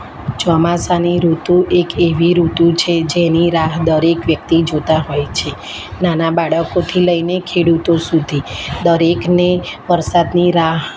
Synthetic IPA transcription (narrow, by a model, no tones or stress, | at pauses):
t͡ʃɔmasaniɾut̪ũʔekeʋiɾut̪ũt͡ʃʰed͡ʒeniɾaɦd̪əɾekʋjək̚t̪id͡ʒot̪aɦojt͡ʃʰe | nanabaɽəkot̪ʰiləinekʰeɽut̪osud̪ʱid̪əɾekneʋəɾsad̪niɾaɦ